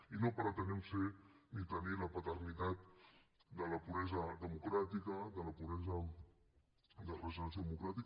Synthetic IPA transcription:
inopaɾat̪ənɛmsenit̪ənilapat̪əɾnit̪at̪̚d̪əlapuβɾɛzad̪əmukɾat̪ikad̪əlapuɾɾɛza | d̪ərəzonzðəmukɾat̪ik

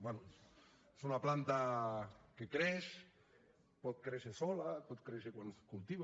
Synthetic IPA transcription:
bwɛnu | e̥sunaplant̪a | kekɾeʃ | pɔt̪̚kɾeʃesɔlapɔt̪̚kɾeʃekwanskult̪iβa

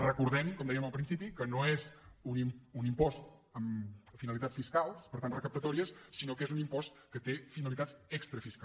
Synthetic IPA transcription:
rəkuɾðɛmkɔmd̪ɛjəməlˠpɾinsipikənoezunimunimpɔst̪ | əmfinəlˠit̪att͡ssfiskalˠspəɾt̪anrəkəp̚t̪ət̪ɔɾiəsːinokezunimpɔst̪kət̪efinəlit̪at͡sɛkst̪ɾəfiska

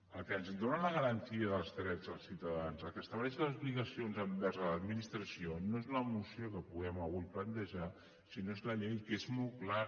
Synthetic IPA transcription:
əlˠkəənzd̪onələɣ̞əɾənt̪iəðəlˠzt̪ɾɛzðəlˠsiwt̪əðanzəlˠkəst̪əβlɛʃləzuβliɣəsionzəmbɛɾzələd̪minist̪ɾəsionoezləmusiokəpuɣ̞ɛməlɣujplənt̪əʒa | sinoezləʎɛjkezmɔlˠkla

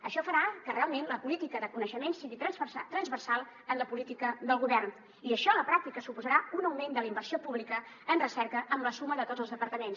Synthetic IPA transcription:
əʃɔfəɾakərealˠmenləpulit̪ikəðəkunəʃəmensiɣit̪ɾəsat̪ɾənzβərsalˠ | ənləpulit̪ikəðəlˠɣ̞uβɛrn | iəʃɔləpɾak̚t̪ikəsupuzəɾaunəwmẽnd̪əlimbərsiopuβlikə | ənrəsɛɾkəʔəmləsuməðət̪od͡zəlzðəpəɾt̪əmens

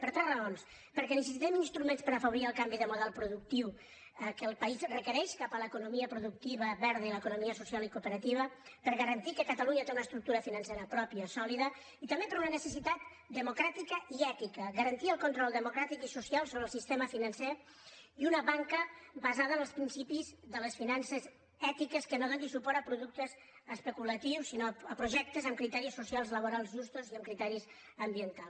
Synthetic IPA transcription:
pəɾt̪ɾɛzrəons | pəɾkɛnəs̬əs̬it̪ɛminst̪ɾumenspəɾəfəβoɾiəlˠkambiðəmuðɛlˠpɾuðuk̚t̪iw | əkəːlˠpəizrəkəɾɛʃkapələkunumiəpɾuðuk̚t̪iβ̞əβɛɾð̞əiləkunumiəsusialˠikupəɾət̪iβ̞əpəɾɣəɾənt̪ikəkət̪əluɲət̪eunəst̪ɾuk̚t̪uɾəfinənseɾəpɾɔpiəsɔliðə | it̪əmbepəɾunənəsəsit̪at̪ | d̪əmukɾat̪ikəiɛt̪ikəɣəɾənt̪iəlˠkont̪ɾɔlˠd̪əmukɾat̪ikisusialˠsoβɾəlˠsist̪eməfinɐnse | iunəβaŋkəbazaðənəlˠspɾinsipizðələsfinansəz | ɛt̪ikəskənoðənd̪isupɔɾəpɾuðuk̚t̪əz | əspəkulət̪iwsːinoəpɾuʒɛk̚t̪əzəmkɾit̪ɛɾisːusialˠzləβ̞oɾalˠzʒust̪oziəmkɾit̪ɛɾiz | əmbiənt̪alˠs

